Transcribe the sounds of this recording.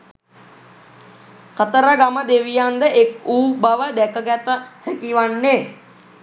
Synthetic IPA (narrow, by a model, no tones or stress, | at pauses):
kət̪əɾəɡaməd̪eʋijand̪əʔekuːbaʋəd̪ɛkəɡæt̪əhɛkiʋanːe